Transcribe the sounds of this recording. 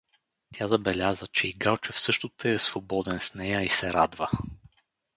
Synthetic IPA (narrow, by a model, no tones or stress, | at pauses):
t̪ʲazɐbɛlʲazət͡ʃɛiɡalˠt͡ʃɛfsɤʃt̪ot̪əɛsvobɔd̪ɛnsnɛjəisɛɾad̪və